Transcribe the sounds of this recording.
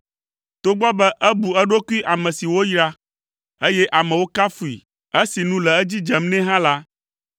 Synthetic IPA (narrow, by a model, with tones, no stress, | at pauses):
t̪o˦ɡ͡bɔ˦bɛ˦ʔɛ˦bu˨ɛ˦ɖo˦ku˦i˦ʔa˨mɛ̃˨si˨wo˦jɾa˦ | e˦jɛ˦ʔa˨mɛ̃˨wo˦ka˦fu˨i˨ | ɛ˦si˨nũ˦lɛ˨ɛ˦d͡ʑi˦d͡ʒɛ˨mnɛ̃˦ɦã˦la˦